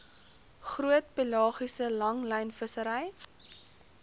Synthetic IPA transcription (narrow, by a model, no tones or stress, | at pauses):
χruətpilɑːχisəlɐŋlɛjnfəsəɾɛj